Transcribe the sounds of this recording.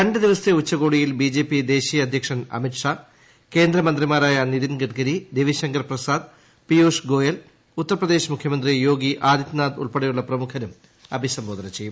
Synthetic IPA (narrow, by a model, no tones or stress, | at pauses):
kɐɳɖɐd̪iʋɐst̪eut͡ɕːɐɣo̞ːɽijilbid͡ʑe̞ːpːid̪e̞ːɕijɐɐd̪ʱjɐkʂɐnɐ̰miʈʂa | ke̞ːnd̪ɾɐmɐnd̪rimaːɾaːjɐnid̪inɡɐʈɡɐɾid̪eʋiɕɐŋɡɐrprɐsaːd̪ | pioːʂɡo̞ːjɐl | ut̪ːɐrɐprɐd̪e̞ːɕɐmukʰjɐmɐnd̪rijo̞ːɡiʔaːd̪ʱit̪naːd̪ṵɭpeɽɐjuɭːɐprɐmukʰɐnum | ɐbʱisɐmboːd̪ɐnɐt͡ɕe̞jːum